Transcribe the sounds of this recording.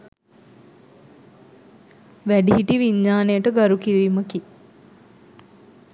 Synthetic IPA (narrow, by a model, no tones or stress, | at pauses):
ʋæɖiɦiʈiʋiɲːaːnejəʈəɡaɾukiɾiːməki